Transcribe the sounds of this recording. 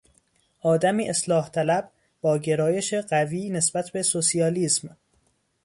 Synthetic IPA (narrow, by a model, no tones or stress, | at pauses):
ʔɒːd̪æmiːʔeslɒːht̪ʰælæb | bɒːɟe̞ɾɒːje̞ʃeɢæviːne̞sb̥æt̪ʰbe̞sosiɒːliːsm